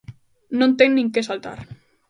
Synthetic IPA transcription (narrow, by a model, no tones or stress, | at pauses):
nont̪eŋnĩŋkesalt̪a̰ɾ